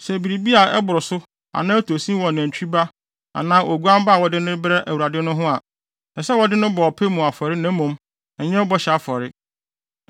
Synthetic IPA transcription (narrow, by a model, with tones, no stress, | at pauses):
sɛ˨bi˨ɾi˨bi˦a˨ɛ˦bʊ˨ɾʊ˨sʊ˦ | a̰˨nãː˦tʰo˨sĩ˦wɔ̃˨næ̃˨ɲ̩˨t͡ɕʰᶣba˦ | a̰˨nãː˦ʔo˨ɡu˦ã˦m˦ba˦˨wɔ˦dɪ˦nɪ̃˦bɾɛ˦ʔæ˨wu˨ɾa˨dɪ˦nʊ̃˦ɦʊ̃˦a˨ | na˨sɛ˦wɔ˦dɪ˦nʊ̃˦bɔ˨ɔ˨pʰe˦mũ˨a˨fɔ˨ɾɪ˦nɛ̃˦mũ˨m | ɛ˨ɲɛ̃˦ɔ˦bɔ˦ɕɛ˨a˦fɔ˨ɾɪ˦